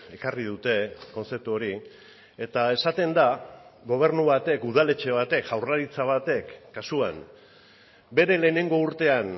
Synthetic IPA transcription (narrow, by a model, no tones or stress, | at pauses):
e̞kariðut̪e̞ko̞nt͡se̞p̚t̪uo̞ɾi | e̞t̪ae̞sat̪e̞nd̪aɣo̞β̞e̞ɾnuβat̪e̞kuð̞ale̞t͡ʃe̞βat̪e̞kʝawraɾit͡saβ̞at̪e̞kːasuan | be̞ɾe̞le̞ːne̞ŋɡo̞uɾt̪e̞an